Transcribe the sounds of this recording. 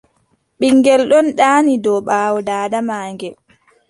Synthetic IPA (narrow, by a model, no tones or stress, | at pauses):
ɓiŋɡɛlɗɔnɗaːnidɔɓaːwɔdaːdamaːŋɡɛ